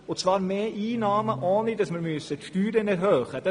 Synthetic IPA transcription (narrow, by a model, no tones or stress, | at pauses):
ot͡svɑːɾmeːʔiːnɑːməʔɔːnidɑsmɪːɾmyəsətʃtyːɾənɛɾɦøːχəd̥ɑ